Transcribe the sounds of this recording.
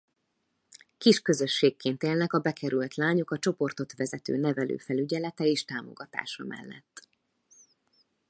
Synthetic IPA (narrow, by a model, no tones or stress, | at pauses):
kiʃkø̞zø̞ʃːeːkːeːnt̪eːlnɛkɒbɛkʰɛɾylt̪laːɲo̞kɒt͡ʃo̞po̞rt̪o̞t̪ʋɛzɛt̪ø̰ːnɛvɛlø̰ːfɛlyɟɛlɛt̪ɛeːʃt̪aːmo̞̰ɡɒt̪a̰ːʃɒmʔɛ̰lːɛ̰t̪ː